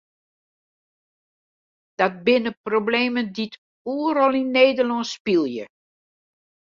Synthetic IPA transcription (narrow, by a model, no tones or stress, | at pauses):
d̥ɔt̚bɪnəprobleːməndit | uɾɔlinːeːdəlɔspilˠjə